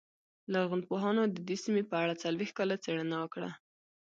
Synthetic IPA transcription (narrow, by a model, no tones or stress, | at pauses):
laɣʊnd̪̚poɦɑnod̪əd̪esimepəaɽat͡salwext̪kɑlat͡seɽanawəkɽa̰